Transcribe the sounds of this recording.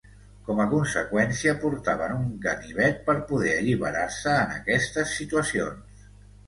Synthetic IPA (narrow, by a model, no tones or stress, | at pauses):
kɔməkunsəkwɛnsiəpuɾt̪aβənuŋkəniβ̞ɛt̪̚pəɾpuðɛəʎiβəɾaɾsəːnə̰kɛst̪əsːit̪uəsions